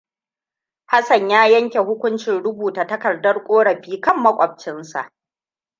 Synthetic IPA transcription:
ha˦sɐ˨ɲjaː˦jɐ˦ŋkʲe˨hʊ˦kʷʊ˦nt͡ʃɪ˨nɽʊ˦buː˨taː˨tɐ˦kɐ˨rdɐ˦rkʷʼoː˦ɽɐ˨ɸiː˦kɐ˦˨mːɐ˦kʷʼɐ˨b̚t͡ʃɪ˦nsa̰˨ʔ

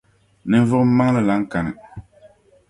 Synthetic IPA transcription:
nɨ˦ɱ˦vʊ˦m̩˦ma˦ŋ˦lɨ˦la˨˦ŋ̩˦ka˨nɨ˨

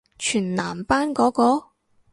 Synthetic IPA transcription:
t͡ʃʰyː˨˩nnaː˨˩mpaː˥nkɔː˨˥kɔː˧˥

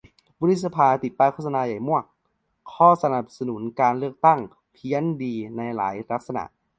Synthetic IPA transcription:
bɔ˧˥ɾi˦˥t̪̚sa˧pʰaː˧t̪i˨˩t̪̚pːaː˦˥˩kʰo˥˩sa˧naː˧ja˨˩jmu˥˩ək̚ʰː | ɔː˥˩sa˧na˨˩p̚sa˧nu˨˩˦nkaː˧nlɯ˥˩ək̚t̪a˥˩ŋ | pʰi˦˥əndiː˧na˧jla̰ː˩˦jla˦˥k̚sa˧na̰˨˩ʔ

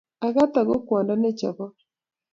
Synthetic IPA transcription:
a˨ɣa˦t̪a˨ɣo˦kwa˨nda˦ne˦t͡ʃa˨βɔ˦

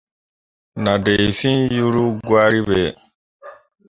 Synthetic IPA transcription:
na˨de˨i˨fĩ˦ju˦ɾu˦ɡwaː˦ɾi˦be˨

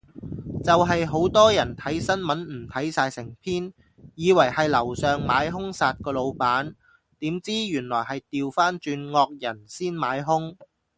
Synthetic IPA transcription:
t͡sɐ˨wɦɐ˨jɦo˨˥wt̪ɔː˥jɐ˨˩nt̪ʰɐ˨˥jsɐ˥nmɐ˨˥nm̩˨˩t̪ʰɐ˨˥jsaː˧jsɪ˨˩ŋpʰiː˥n | jiː˨˧wɐ˨˩jhɐ˨jlɐ˨˩wsœː˨ŋmaː˨˧˥jɦʊ˥ŋsaː˨˧t̚kɔː˧lo˨˧wpaː˨˥n | t̪iː˨˥mt͡siː˥jyː˨˩nlɔː˨˩jɦɐ˨jt̪iː˨wfaː˥nt͡ʃyː˧nŋɔː˧k̚jɐ˨˩nsiː˥nmaː˨˥jɦʊ˥ŋ

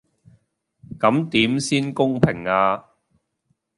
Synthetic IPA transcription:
kɐ˨˥mt̪iː˨˥msiː˥nkʊ˥ŋpʰɪ˨˩ŋaː˧

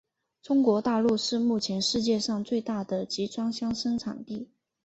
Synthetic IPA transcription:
ʈ͡ʂʊ˥ŋkwɔ˧˥t̪a˥˧lu˥˧ʂɻ̩˥˧mu˥˩t͡ɕʰjɛ˧˥nʂɻ̩˥˧t͡ɕjɛ˥˧ʂɑ˥˧ŋt͡swe˥˧ɪt̪a˥˩d̪ə˩t͡ɕi˧˥ʈ͡ʂwɑ˥ŋɕjɑ˥ŋʂɤ˥ŋʈ͡ʂʰɑ̰˨˩ŋt̪i˥˩

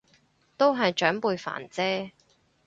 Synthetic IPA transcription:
t̪o˥wɦɐ˨jt͡ʃœː˨˥ŋpuː˨˧jfa̰ː˨˩nt͡sɛː˥

